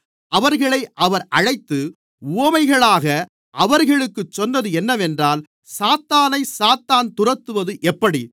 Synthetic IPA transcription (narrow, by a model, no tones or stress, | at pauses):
ɐʋɐɾɣɐɭɐɪʔɐʋɐɾʔɐɻɐɪt̪ːɯ | uɐmɐɪɣɐɭaːɣɐ | ʔɐʋɐɾɣɐɭɯkːɯt͡ʃːɔnːɐðɯɛnːɐʋɛndraːl | saːt̪ːaːnɐɪsaːt̪ːaːnt̪ʊrɐt̪ːɯʋɐðɯʔɛpːɐɽi